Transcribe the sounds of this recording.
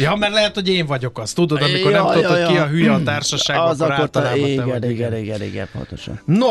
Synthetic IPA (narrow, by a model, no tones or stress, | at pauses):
jɒmɛrlɛɦɛt̪ho̞ɟeːɱvɒɟo̞kɒst̪ud̪o̞d̪ɒmiko̞rnɛmt̪ookːiɒɦyjɛɒtt̪aːrʃɒʃaːɡzɔɾaːot̪ːboɛɡɛɡɛniɡɛ̰po̰nt̪oʃnno